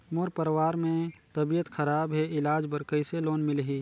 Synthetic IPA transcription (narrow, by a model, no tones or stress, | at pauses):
moɾpəɾwaːɾmẽ | t̪əbijət̪xʰəɾaːbɦɛɪlaːd͡ʒbəɾkəiseloːnmɪlɦiː